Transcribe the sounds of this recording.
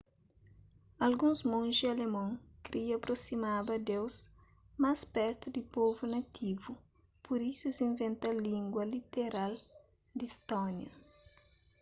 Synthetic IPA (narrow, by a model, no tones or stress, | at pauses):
ɐlɡũŋzmõnʒialemõŋkɾʔiɐpɾosimabɐd̪ews | maspɛɾt̪ud̪ipovunɐt̪ʰivu | pʰuɾisuzĩɱvẽnt̪alĩŋɡwɐlit̪eɾal | d̪ist̪ɔnjɐ̰